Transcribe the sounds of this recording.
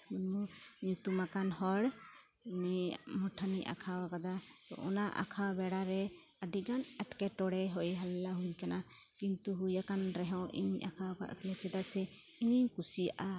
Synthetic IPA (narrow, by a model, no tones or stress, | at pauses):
munmuɲut̪umakanhɔɽ | nimɔʈʰaniʔa̰kʰawakad̪at̪ɔ̰ʔɔnaʔa̰kʰawbɛɽaɾɛ | aɖiɡanəʈkɛʈɔɽɛɦɔjɦallaɦujkana | kint̪uɦujakanɾɛɦɔ̃wʔḭɲa̰kʰawaka̰ʔkʰlɛt͡ʃɛd̪asɛ | iɲikusijaʔa